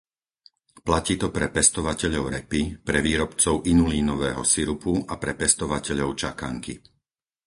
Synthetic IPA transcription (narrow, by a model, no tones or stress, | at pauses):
placiːt̪ɔpɾɛpɛst̪ɔʋacɛʎɔʊɾɛpipɾɛʋiːɾɔpt͡sɔʊʔinuliːnɔʋɛ̰ːɦɔ̰siɾupuapɾɛpɛst̪ɔʋacɛʎɔʊt͡ʃaka̰ŋki